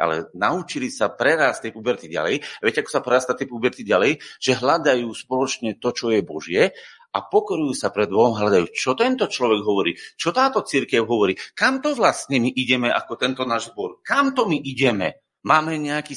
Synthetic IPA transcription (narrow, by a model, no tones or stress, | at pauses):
ʔa̰lɛ̰naut͡ʃilisapɾɛɾaːst̪ːɛjpubɛɾt̪iɟa̰lɛ̰jaʋɪjɛcɛakɔ̥sapɾɛɾast̪at̪ɛpubɛɾt̪iɟalɛjʒ̥ɛɦlad̪ajuːspɔlɔt͡ʃɲɛt̪ɔt͡ʃɔjɛbɔʒɪɛ | apɔkɔɾujuːsapɾɛd̪bɔɦɔmɦlad̪ajuːt͡ʃɔt̪ɛnt̪ɔt͡ʃlɔʋɛɡɦɔʋɔɾḭːt͡ʃɔt̪aːt̪ɔt͡siɾkɛʊɦɔʋɔɾiːkamt̪ɔʋlasɲɛmiʔiɟɛmɛʔa̰kɔt̪ɛnt̪ɔnaːʒzbɔɾkamt̪ɔmiʔiɟɛmɛ̰ | maːmɛɲɛakiː